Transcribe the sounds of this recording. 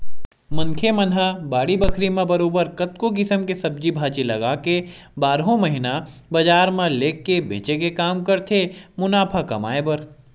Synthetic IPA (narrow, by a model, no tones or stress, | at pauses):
mɐ̃ŋkʰemɐnabaːɽibɐkʰɾimẽbɐɾoːbəɾkɐt̪kok̬ɪsəmkesɐb̚d͡ʒibʱaːt͡ʃilɐɡaːke | baːɾɦõmɐɦɪnabɐd͡ʒaːɾmãleːkːebʱḛːt͡ʃekekaːmkɐɾt̪ʰemʊnaːpʰakɐma̰ːebəɾ